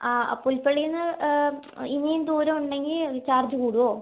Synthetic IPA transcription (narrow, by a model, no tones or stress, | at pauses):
a̰pulpeɭijunːɨ | inijund̪uːɾɐmuɳɖe̞ŋɡilt͡ɕaːrd͡ʑukuːɽuʋoː